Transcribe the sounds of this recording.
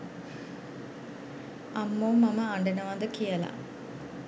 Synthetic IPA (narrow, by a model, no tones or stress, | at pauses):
ɐmːoːmːɐmɐaɳɖɐnɐʋaːnd̪ɐkijɐla̰